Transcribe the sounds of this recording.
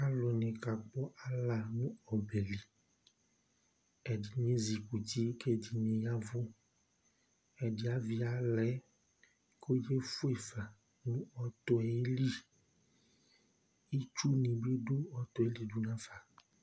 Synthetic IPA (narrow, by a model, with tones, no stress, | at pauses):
a˦lɔ˨nẽ˨ka˨k͡pɔ˦ʔa˦la˨nũ˦ɔ˨be˨li˨ | ɛ˨di˨ɲẽ˦zi˨ku˨ti˦ke˦di˨nẽ˨ja˦vo˦ | ɛ˨di˦a˦vi˦a˨lɛ˨˦ | kʰo˦je˦fu˦e˨fa˨ | nũ˦ɔ˨t̪ɔ˨ɛ˨˦li˦ | i˦t͡ʃu˦nĩ˨be˦ɖo˦ɔ˨t̪ɔ˨e˦li˦du˦nã˦fa˨